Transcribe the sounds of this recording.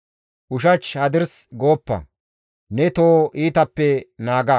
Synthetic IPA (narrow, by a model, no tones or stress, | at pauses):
ʔʊʃ̬ɐt͡ʃhɐd̪ɪɾsɡo̞ːpːɐ̰ | nɛt̪oːʔiːt̪ɐpːɛnaːɡa